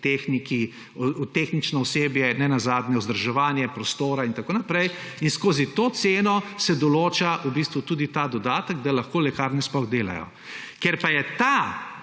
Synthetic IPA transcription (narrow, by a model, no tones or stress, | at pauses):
t̪exniki | ut̪exnit͡ʃnɔɔseːbjɛnɛnazaːd̪nɛɔzd̪əɾʒɛʋaːnjɛpɾɔst̪oːɾaint̪akoːnapɾɛjinskoːzit̪oːt̪seːnɔsɛd̪ɔloːt͡ʃaʔubist̪ʋut̪uːd̪it̪ad̪ɔd̪aːt̪əɡd̪alaxkoːlɛkaːɾnispɔɣd̪eːla̰jɔ̰ | kɛɾpajɛt̪a